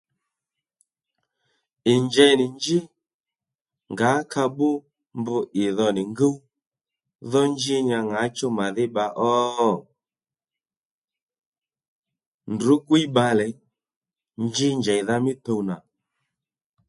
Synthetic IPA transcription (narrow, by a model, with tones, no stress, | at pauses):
ɪ˨ɲd͡ʒɛ˨nɪ˨nd͡ʒɪ˦ | ŋɡa˨˦ka˧ɓʊ˦ | mbʊ˧ʔɪ˨ðɔ˨nɪ˨ŋɡə˦w | ðɔ˦nd͡ʒi˦ɲa˧ŋa˨˦t͡ʃɔ˦ma˨ðɪ˦ɓa˧ʔɔ˦˨ | ndʊ˨˦ɡwi˦ɓa˧lɛ˨ | nd͡ʒi˦ɲd͡ʒɛ˨ða˧mɪ˦t̪o˧wna˨